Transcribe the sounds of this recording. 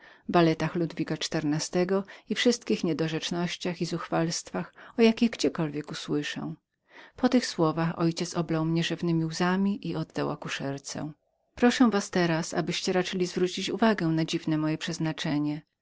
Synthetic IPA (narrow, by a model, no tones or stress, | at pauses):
balɛt̪axlud̪vʲikat͡ʂt̪ɛɾnast̪ɛɡɔifʂɘst̪̚kʲixɲɛd̪ɔʐɛt͡ʂnɔɕt͡ɕaxizuxfalst̪faxɔjakʲiɣɡd͡ʑɛkɔlvʲjɛkuswɘʂɛ̰w̃ | pɔt̪ɘxswɔvaxɔ̰jt͡ɕɛt̪sɔblawmɲɛʐɛvnɘmʲiwzamʲiʔiɔd̪ːawa̰kuʂɛɾt̪sɛ̰̃ | pɾɔʂɛw̃vast̪ɛɾasa̰bɘɕt͡ɕɛɾat͡ʂɘlʲizvɾut͡ɕit͡ɕuvaɡɛ̃nad͡ʑivnɛmɔjɛpʂɛznat͡ʂɛɲɛ